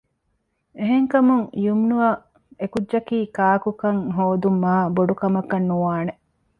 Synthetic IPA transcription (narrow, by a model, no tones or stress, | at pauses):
eɦeŋkɐmuŋjumnuɐ | ekudːd͡ʒɐkiːkaːkukɐŋɦoːd̪umːaːboɖukɐmɐkɐnːuʋaːne